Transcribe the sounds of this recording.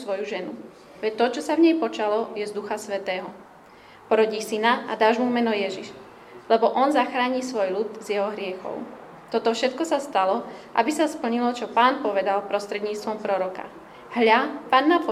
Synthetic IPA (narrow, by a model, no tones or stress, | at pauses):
sʋɔjuʒɛnu | ʋɛct̪ɔt͡ʃɔsavɲɛjpɔt͡ʃalɔjɛzd̪uxasʋɛt̪ɛːɦɔ | pɔɾɔɟiːsinaʔa̰d̪aːʒmumɛnɔjɛʒiʃ | lɛbɔʔɔnzaxɾaːɲiːsʋɔjlut̪zjɛɦɔɦɾɪɛxɔ̰ʊ | t̪ɔt̪ɔfʃɛt̪kɔsast̪alɔʔa̰bisaspl̩ɲilɔt͡ʃɔpaːnpɔʋɛd̪alpɾɔst̪ɾɛd̪ɲiːt͡st̪ʋɔmpɾɔɾɔka̰ | ɦʎapaːnːap